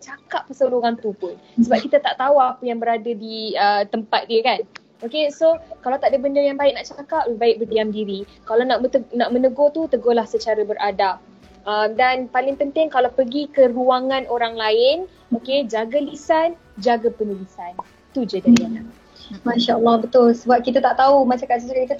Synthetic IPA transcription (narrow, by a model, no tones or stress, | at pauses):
t͡ʃakapːəsəluɾant̪upʊn | səbap̚kit̪at̪aʔt̪awapəjaŋbəɾadadiət̪əmpat̪̚diəkan | okesokalawt̪aʔdəbəndəjaŋbaɪʔk̚naʔt͡ʃakap̚bəbaɪk̚bərdiamdiɾi | kalanaʔəənaʔmə̃nəɡot̪ut̪əɡolahsət͡ʃaɾabəɾʔada | ʔəmdanpalɪŋpənt̪ɪŋkalawpərɡikəruaŋãnʔoɾaŋlaɪn | oked͡ʒaɡalisan | d͡ʒaɡapənulisan | t̪ud͡ʒədaana | mãʃaəlˠːahbət̪ʊlsəbap̚kit̪̬at̪aʔt̪aumasakat̪səs̬ukakit̪a